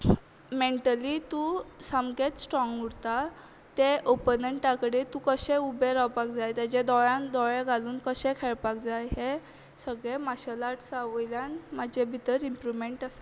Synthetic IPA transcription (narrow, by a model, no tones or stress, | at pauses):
meɳʈəlit̪ũsamɡet̪sʈɾɔŋɡuɽt̪a | t̪eʔopənəɳʈakəɽet̪ũkəɕẽubeɾawpakd͡zajt̪jad͡ʑed̪ɔɭãnd̪ɔɭeɡʱaluːnkəɕẽkʰeɭpak̚d͡zajɦe | səɡɭemaɕalaʈʰsaʋəjljãnmad͡ʑʱebʱit̪əɾimpɾuʋmeɳʈasa